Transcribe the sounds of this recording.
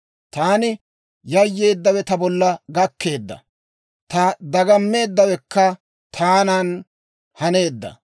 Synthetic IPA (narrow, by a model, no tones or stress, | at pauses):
t̪aːnɪ | jɐjːe̞ːd̪ːɐwɛt̪ɐbɔlːɐɡɐkːe̞ːd̪ːɐ̰ | t̪ɐd̪ɐɡɐmːe̞ːd̪ːɐwɛkʰːɐ | t̪ʰaːnɐn | hɐne̞ːd̪ːɐ̰